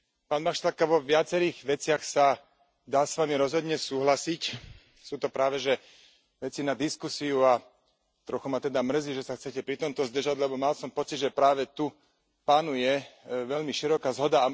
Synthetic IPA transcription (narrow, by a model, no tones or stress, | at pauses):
paːnmaxʃt̪akaʋɔʋɪat͡sɛɾiːɣʋɛt͡sɪaxsa | d̪aːsʋamiɾɔzɦɔd̪ɲɛsuːɦlasic | suːt̪ɔpɾaːʋɛʒɛ | ʋɛt͡sinad̪iskusiua | t̪ɾɔxumat̪ɛd̪amr̩ziʒɛsaxt͡sɛcɛpɾit̪ɔmt̪ɔzd̪r̩ʒaɟlɛbɔmalsɔmpɔt͡sid̪ʒɛpɾaːʋɛt̪u | paːnujɛʋɛʎmiʃiɾɔkazɦɔd̪aː